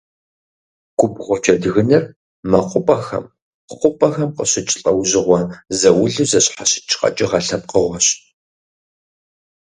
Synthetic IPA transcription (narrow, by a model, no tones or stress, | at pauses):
ɡ̥ʷʊpʁʷɔt͡ʃʰʼɐdɨɣɨnɐr | mɐqʷʊpʼɐxɐ̰m | χʷʊpʼɐxɐmqəɕɪt͡ʃʼɪɬʼɐwʑɪʁʷɔzɐwʊɮɨzɐɕħaɕɪ̥t͡ʃʰʼqʼɐ̰t͡ʃʼɪʁɐɬɐn̚qəʁʷɔɕ